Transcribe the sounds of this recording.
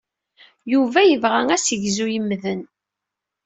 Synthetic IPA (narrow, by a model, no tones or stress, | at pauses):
juvæjəvʁæŋæsəʝzujəmːðən